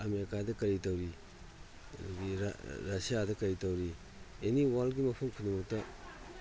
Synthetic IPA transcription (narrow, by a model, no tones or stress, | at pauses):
ameɾkadɐkɐɾitawɾi | dɡiɾɾasijadɐkɐɾitawɾi | eniwalɡimɐpʰɐmkʰunumɐk̚tɐ